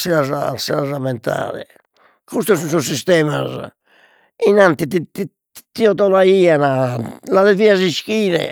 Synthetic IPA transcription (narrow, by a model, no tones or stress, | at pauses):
siazasɛazamɛnt̪a̰ːðɛ̰ | kust̪ɔsuns̬ɔs̬ːist̪ɛːmaz | inant̪it̪it̪i | t̪iɔt̪ɔlaiːanalaðeviazisk̟iːɾɛ̰